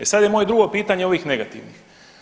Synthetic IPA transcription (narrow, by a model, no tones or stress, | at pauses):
esad̪jemoje̞d̪ɾuɡo̞piːt̪aɲeo̞ʋiːxne̞ɡat̪ḭʋnix